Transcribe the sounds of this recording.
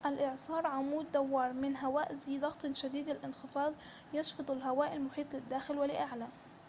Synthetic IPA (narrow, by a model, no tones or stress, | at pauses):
ʔalʔɪʕsˤɑːɾˤʕamuːd̪ːawːɑːɾˤmɪnɦawaːʔzid̪ˤɑɣt̪ˤʃad̪iːd̪ɪlʔɪnxɪfɑːd̪ˤ | jɑʃfɑd̪ˤɑlɦawaːʔɪlmʊħiːt̪ˤlɪd̪ːaːxɪlwɪlɪʔaʕla